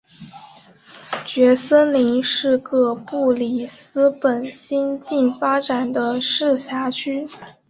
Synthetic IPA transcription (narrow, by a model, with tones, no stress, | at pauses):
t͡ɕɥɛ˧˥sə˥nli˧˥ŋʂɻ̩˥˧kɤ˥˧pu˥˩li˨˩sɹ̩˥pə˨˩nɕi˥nt͡ɕi˥˩nfa˥ʈ͡ʂa˨˩nd̪ə˦ʂɻ̩˥˩ɕja˧˥t͡ɕʰy˥